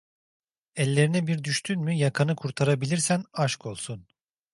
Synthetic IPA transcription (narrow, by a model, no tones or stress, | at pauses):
ɛlʲːe̞ɾinɛbiɾd̪yʃt̪ʰynmyjakʰanɯkʰuɾt̪ʰaɾabilʲiɾsænaʃko̞lˠsun